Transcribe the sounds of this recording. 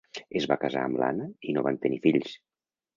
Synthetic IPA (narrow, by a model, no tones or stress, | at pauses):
ezβakaza̰əmla̰nəinoβant̪ənifiʎs